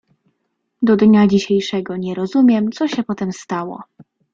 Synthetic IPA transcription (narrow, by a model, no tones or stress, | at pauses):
d̪ɔd̪ɲad͡ʑiɕejʂɛɡɔɲɛɾɔzumʲjɛmt̪sɔɕɛpɔt̪ɛmst̪awɔ̰